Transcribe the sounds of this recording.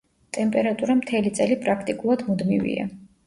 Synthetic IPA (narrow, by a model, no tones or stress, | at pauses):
t̪ʼɛmpʼɛɾat̪ʼuɾamt̪ʰɛlit̪sʼɛlipʼɾakʰt̪ʼikʼulˠad̪mud̪mḭvḭa̰